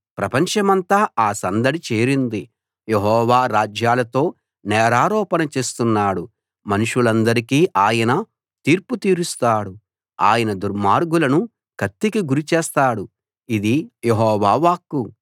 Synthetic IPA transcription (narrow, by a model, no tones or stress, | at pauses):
pɾɐpɐɲt͡ʃɐmɐnt̪aːaːsɐnd̪ɐɽit͡ʃeːɾind̪i | jeɦɔːʋaːɾaːd͡ʒjaːlɐt̪o̞ː | nɛːɾaːɾɔːpɐnɐt͡ʃe̞ːst̪unːaːɽu | mɐnuʂulɐnd̪ɐɾikiːʔaːjɐnɐ | t̪iːɾput̪iːɾust̪aːɽu | a̰ːjɐnɐd̪uɾmaːɾɡulɐnu | kɐt̪ːikiɡuɾit͡ʃɛːst̪aːɽu | id̪ijeɦɔːʋaːʋaːkːu